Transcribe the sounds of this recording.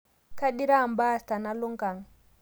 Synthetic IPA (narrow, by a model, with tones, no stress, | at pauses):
ka˦ɗi˦ɾa˦˨mba˦˨sta˨na˦lo˦ŋɡa˨ŋ